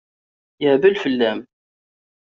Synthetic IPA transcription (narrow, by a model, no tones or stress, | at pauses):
jəʕbəlfəlːæm